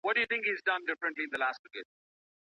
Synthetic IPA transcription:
ʋɔʈ̚ɖɨjut̪ɪ̃ŋkizdʌ̃nɖɪfɾə̃ɳʈliɪ̃nd̪əlaːsʈ̚pɪked̚

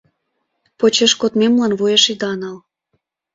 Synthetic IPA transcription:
pot͡ɕeʃkot̪memlɑnβujeʃid̪ɑnɑl

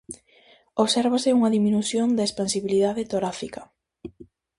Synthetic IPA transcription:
oβsɛɾβasɪuŋɐðiminuθjond̪aespansiβiliðaðet̪oɾafikɐ

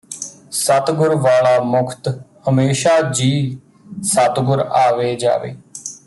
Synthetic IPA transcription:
sət̪ɡʊɾʋaːlaːmʊkʰt̪həmeːʃaːd͡ʒiː | sət̪ɡʊɾaːʋeːd͡ʒa̰ːʋḛː

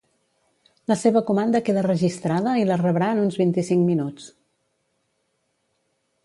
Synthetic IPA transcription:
ləseβəkumand̪əkeðərəʒist̪ɾaðəilərəβɾaːnunzβint̪isiŋkminut͡s

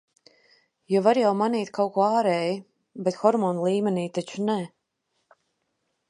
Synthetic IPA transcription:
jɔvaɾjawmaniːt̪kʰawkuɔaːɾɛji | bɛt̪xɔɾmɔːnlˠiːmʲɛniːt̪at͡ʃunɛ

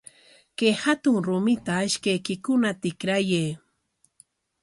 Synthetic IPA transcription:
kehat̪ʊŋɾʊmɪt̪aɪʃkajkɪkʊnat̪ɪkɾajeː

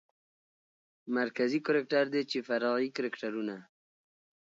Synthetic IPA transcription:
maɾkazikʊɾek̚ʈaɾd̪et͡ʃefaɾɑɣikʊɾekʈaɾuna

